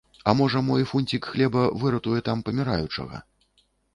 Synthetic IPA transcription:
ɐmɔʐɐmɔjfunʲt͡sʲikxlʲɛbɐvɨɾɐt̪ujɛt̪ampɐmʲiɾa̰jut͡ʂɐ̰ɣɐ̰

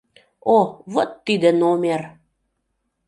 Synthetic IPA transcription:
ovot̪ːid̪ə̆nomʲer

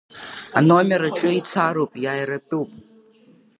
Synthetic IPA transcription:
a̰nomʲeɾat͡ʃʼʊit͡sʰaɾowpʼjajrapʼuwpʼ

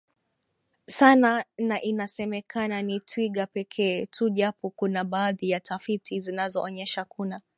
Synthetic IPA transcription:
sananaʔinasɛmɛkʰananitʰwiɠapɛkʰɛːtʰuʄapɔkunaɓaːðijatafitʰizinazɔʔɔɲɛʃakʰuna

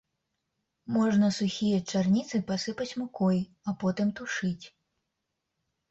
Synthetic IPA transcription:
mɔʐnɐsuxʲijɐt͡ʂarnʲit̪sɨpasɨpɐt͡sʲmukɔj | ɐpɔt̪ɨmt̪uʂɨt͡sʲ

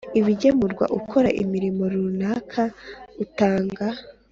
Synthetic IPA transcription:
iβiɟemuɾɡwa̰ʔukʰo̞ɾaʔḭmiɾimo̞ɾunaːkʰautaːŋɡa

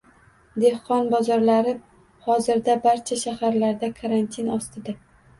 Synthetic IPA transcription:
d̪e̞hqɒnbɒzɒɾlaɾɪ | hɒzɪɾd̪abaɾt͡ʃʰaʃahaɾlaɾd̪akʰaɾant̪ʰinɒst̪ʰɪd̪a

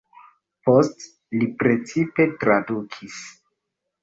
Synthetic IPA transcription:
post | lipɾe̞t͡sipe̞tɾadukʰis

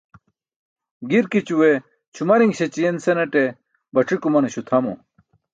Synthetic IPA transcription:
ɡiɾkit͡ɕuwe | t͡ɕʰumɐɾiŋɡɕet͡ɕijensenɐʈe | bɐʈ͡ʂʰikumɐneɕut̪ʰɐmo̰

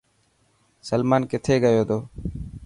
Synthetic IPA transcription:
səlmaːnkɪt̪ʰeːɡəjoːd̪oː

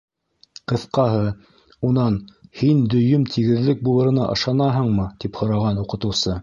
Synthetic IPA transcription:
qɤ̆θqɑɦɤ | unɑnhind̪ɵ̆jɵmt̪ʰiɡɘ̆ðlɘk̚bulˠɤ̆ɾɤ̆nɑ̰ʔɤ̰̆ʃɑnɑɦɤ̆ɴmɤt̪iphŏɾɑʁɑnuqɤ̆t̪ɤ̆wsɤ

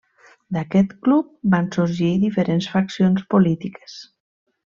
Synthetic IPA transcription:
d̪akɛt̪klup̚bansuɾʒiðifeɾensfaksjonspolit̪ike̥s

